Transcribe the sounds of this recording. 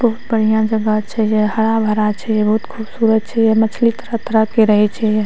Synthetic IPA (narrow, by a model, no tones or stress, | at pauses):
bəɦʊt̪bəɽ̤ijãd͡ʒəɡat͡ʃʰɛjeɦəɽabʱəɾat͡ʃʰɛjebɔɦut̪kʰuːbsuːɾət̪̚t͡ʃʰɛjemət͡ʃʰlit̪əɾət̪əɾəkeɾəɦɛt͡ʃʰɛje